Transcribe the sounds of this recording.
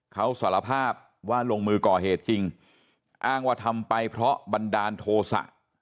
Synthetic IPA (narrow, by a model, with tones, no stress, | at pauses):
kʰa˦˥wsaː˩˦la˧pʰaː˥˩p̚ | waː˥˩loː˧ŋmɯː˧kɔː˨˩heː˨˩t̪̚t͡ɕi˧ŋ | ʔaː˥˩ŋwaː˥˩t̪ʰa˧mpa˧jpʰɾɔ˦˥ba˧ndaː˧nt̪ʰoː˧sa̰˨˩ʔ